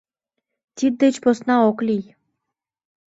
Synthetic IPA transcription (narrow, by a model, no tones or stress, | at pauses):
t̪ʲid̪̚d̪ĕt͡ɕposnɑoklʲij